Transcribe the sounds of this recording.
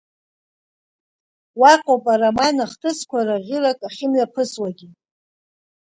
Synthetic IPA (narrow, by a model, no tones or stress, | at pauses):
waqʼopʼaɾamanaχtʰɨskʷʰaraʁʲɪlakʼaχʲɪmɥapʰɨswaɡʲi